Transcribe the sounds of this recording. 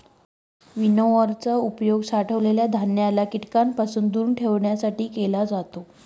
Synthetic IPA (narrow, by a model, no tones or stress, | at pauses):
ʋinoəɾt͡saupjoɡsaʈʰəʋleljad̪ʱanjalakiʈkampasuːnd̪uːɾɳʈʰeʋɳjasaʈiːkelad͡zat̪o